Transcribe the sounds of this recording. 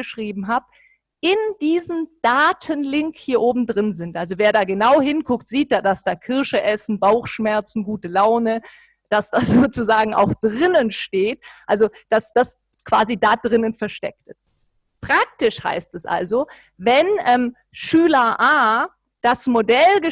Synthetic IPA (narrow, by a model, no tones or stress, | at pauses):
əʃʁ̥iːbm̩ɦaːp | ʔɪnd̥iːzəmd̥aːtʰənlɪŋkhiːɐʔoːbm̩dʁɪnzɪntʔalzoveːɐdaːɡənaʊɦɪnkʰʊktz̥iːt̚d̥aːdasd̥aːkʰɪɐʃəʔɛsn̩baʊxʃmɛɐt͡sn̩ɡuːtəlaʊnə | d̥asd̥az̥oːt͡suzaːɡŋ̩ʔa̰ʊxd̥ʁɪnənʃteːt̚ʔalzod̥asd̥as | kv̥a̰ːzidaːdʁɪnənfɛɐʃtɛk̚tɛs | pʁ̥ak̚tɪʃha̰ɪstɛsʔa̰lzo | vɛnʔɛːm | ʃyːlɐʔaː | d̥asmodɛlɡə